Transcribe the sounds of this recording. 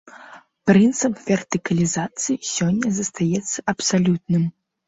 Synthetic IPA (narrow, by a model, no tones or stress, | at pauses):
pɾɨnt̪sɨpvʲɛrt̪ɨkɐlʲizat̪sɨjisʲɔnʲːɐzɐst̪ajɛt̪sːɐʔɐpsalʲut̪̚nɨm